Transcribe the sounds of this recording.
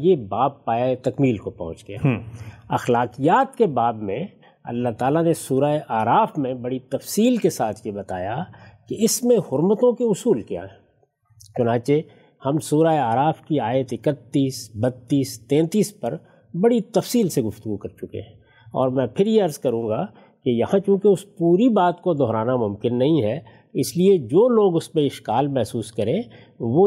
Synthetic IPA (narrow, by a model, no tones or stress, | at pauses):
jebaːbːaːjaet̪ɐkmiːlkopɔ̰̃ɦʊ̃t͡ʃɡeja̰ːɐxlaːkijaːt̪kebaːbmẽ | ɐ̰lːaɦt̪aːlanesuːɾaeʔaːɾaːfmẽbɐɽit̪ɐfsiːlkesaːt̪ʰjebɐt̪a̰ːjakeɪsmẽɦʊɾmət̪õkeʊsuːlkja̰ːɦɛɛ̃ | t͡ʃʊnãːt͡ʃe | hɐmsuːɾaːeaːɾaːfkiaːjət̪ɪkət̪ːiːsbɐt̪ːiːst̪ɛ̃ːt̪iːspɐɾ | bɐɽit̪ɐfsiːlseɡʊft̪ʊɡukɐɾt͡ʃʊkḛ̃ɦɛ̃ | ɔ̰ːɾmɛ̃pʰɪɾjeɐɾzkɐɾũːɡa | kejɐhãt͡ʃũːkeʊspuːɾibaːt̪kod̪ɔɦɾaːnamʊ̃mkɪnːɐɦĩɦɛ | ɪslied͡ʒoːloːɡʊsmẽɪʃkaːlmɛɦsuːskɐɾẽ | ʋo